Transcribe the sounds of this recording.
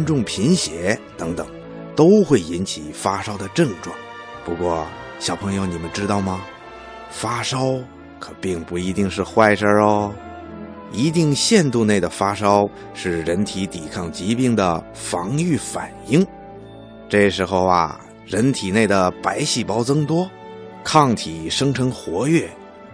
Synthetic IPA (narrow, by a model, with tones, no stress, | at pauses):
nʈ͡ʂʊ˥˩ŋpʰi˧˥nɕjɛ˧˥t̪ɤ˧˥ŋt̪ɤ˨˩˦ŋ | t̪o˥ʊxwe˥˩ɪi˥nt͡ɕʰi˨˩fa˥ʂɑ˥ʊd̪ə˨ʈ͡ʂɤ˥˧ŋʈ͡ʂwɑ̰˥˩ŋ | pu˧˥kwɔ˥˩ | ɕjɑ˨˩ʊpʰɤ˧˥ŋjo˧ʊni˨˩mə˧˦nʈ͡ʂɻ̩˥t̪ɑ˥˩ʊmɐ˩ | fa˥ʂɑ˥ʊ | kʰɤ˨˩pi˥˧ŋpu˥˩i˧˥t̪i˥˧ŋʂɻ̩˥˧xwa˥˧˩ɪʂə˥˧ | i˧˥t̪i˥˧ŋɕjɛ˥˧nt̪u˥˧ne˥˩ɪd̪ə˩fa˥ʂɑ˥ʊ | ʂɻ̩˥˩ɻə˧˥nt̪ʰi˧˥t̪i˨˩kʰɑ˥˩ŋt͡ɕi˧˥pi˥˩ŋd̪ə˩ | fɑ˧˥ŋy˥˩fa˨˩ni˥˩ŋ | ʈ͡ʂɤ˥˩ʂɻ̩˧˥xo˥˧ʊɐ̰˨˩ | ɻə˧˥nt̪ʰi˨˩ne˥˩ɪd̪ə˩pa˧˥ɪɕi˥˩pɑ˥ʊt͡sɤ˥ŋt̪wɔ˥ | kʰɑ˥˩ŋt̪ʰi˨˩ʂɤ˥ŋʈ͡ʂʰɤ˧˥ŋxwɔ˧˥ɥɛ˥˩